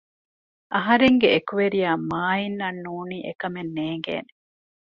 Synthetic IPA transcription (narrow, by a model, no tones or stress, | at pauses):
ʔɐɦɐɾeŋɡeekuʋeɾijaːmaːinːɐnːuːniːʔekɐmenːeːŋɡḛːne